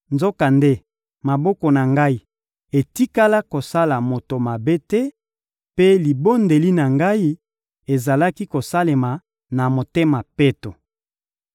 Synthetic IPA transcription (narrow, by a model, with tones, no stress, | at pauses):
nzo˦ka˨nde˦ | ma˨bɔ˦kɔ˨na˨ŋɡa˦i˨ | e˨ti˦ka˦la˦ko˨sa˦la˨mo˨to˨ma˨be˦tɛ˦ | pe˦li˨bo˦nde˨li˦na˨ŋɡa˦i˦ | e˨za˨la˦ki˦ko˨sa˦le˨ma˨ | na˨mo˨te˦ma˨pe˦to˨